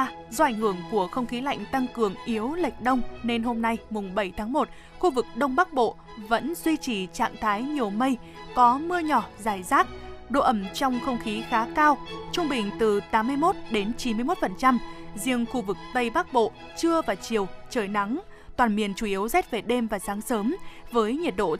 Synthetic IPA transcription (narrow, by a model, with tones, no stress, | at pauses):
zɔ˧ʔa˧˩jŋ̟hɨ˧˩əŋku˧˩əxə˧wŋ͡mxi˨˦la̰˧˨jŋ̟t̪a˧ŋkɨ˨˩əŋʔi˨˦əwlə˨˩jk̟̚ɗə˧wŋ͡mne˧nɦo˧mna˧jmʊ˨˩ŋ͡mɓə˧˩jt̪ʰaː˨˦ŋmo˨˩t̚ | xu˧vɨ˨˩k̚ɗə˧wŋ͡mɓa˦˥k̚ɓo̰˧˨ | və̰˧˥nzwi˧t͡ɕi˧˨˩t͡ɕa̰ː˧˨ŋt̪ʰaː˨˦jɲi˨˩əwmə˧j | kɔ˨˦mɨ˧əɲɔ˧˩zaː˧˩jzaː˦˥t̚ɗo̰˧˨ʔə˧˩mt͡ɕɔ˧wŋ͡mxə˧wŋ͡mxi˨˦xaː˨˦kaː˧wt͡ɕʊ˧ŋ͡mɓï˨˩ŋ̟t̪ɨ˨˩t̪aː˨˦mːɨ˧əjmo˦˥t̚ɗe˨˦nt͡ɕi˨˦nmɨ˧əjmo˦˥t̚fə˨˩nt͡ɕa˧mzi˧əŋxu˧vɨ˨˩k̚t̪ə˧jɓaː˦˥k̚ɓo̰˧˨ | t͡ɕɨ˧əvaː˨˩t͡ɕi˨˩əwt͡ɕəː˨˩jna˨˦ŋ | t̪waː˨˩nmi˨˩ənt͡ɕu˧˩ʔi˨˦wza˦˥t̚ve˨˩ɗe˧mvaː˨˩zaː˨˦ŋsəː˨˦mvəː˨˦jɲi˨˩t̚ɗo̰˧˨